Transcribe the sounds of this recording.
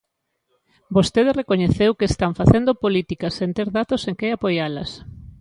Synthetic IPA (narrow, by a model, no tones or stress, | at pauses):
bost̪eðesrekoɲeθewkeːst̪aɱfaθend̪opolit̪ikɐsẽnt̪eɾðat̪oseŋkeapojalɐs